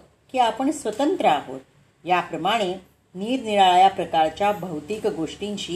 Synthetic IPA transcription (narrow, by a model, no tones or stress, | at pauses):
kiːapəɳsʋət̪ənt̪ɾəaɦo̰t̪̚ | japɾəmaɽ̃e | niːɾniɭaɭjapɾəkaɾt͡ɕjabʱəwt̪ikɡoʂʈiɲt͡ɕiː